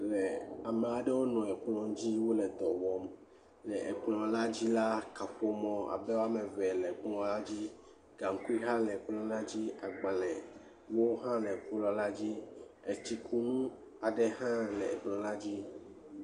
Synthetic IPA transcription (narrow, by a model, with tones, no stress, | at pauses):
lɛ˨a˨me˨a˨ɖɛ˦wo˦nɔ̃˨ɛ˨k͡plɔ̃˨˦d͡ʑi˦wo˦lɛ˨d̪ɔ˨wɔ˦m | lɛ˨ʔe˨k͡plɔ̃˨la˦d͡ʑi˦la˦ka˨ɸo˦mɔ̃˦a̰˨bɛ˦wa˦me˨vɛ˨lɛ˨k͡plɔ̃˨la˦d͡ʑi˦ | ɡa˨ŋ˦ku˦i˦ɦa˦lɛ˨k͡plɔ̃˦la˦d͡ʑi˦a˨ɡ͡ba˨lɛ̃˨ | wo˦ɦã˦lɛ˨k͡pu˦lɔ˦la˦d͡ʑi˦e˨t͡ɕi˦kʰu˦nũ˦ | a˨ɖɛ˦ɦã˦lɛ˨e˨k͡plɔ̃˨la˦d͡ʑi˦